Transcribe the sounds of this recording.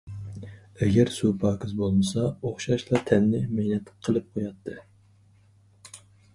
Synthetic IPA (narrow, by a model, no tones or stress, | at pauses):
ɛɡʲɛɾsupʰɑːkʰʲɪzbolˠɨnɨsɑoχʃɑʃlˠɑt̪ʰɛnːɪmenɛt̪qʰəlˠɨp̚qʰojɑt̪ʰːɨ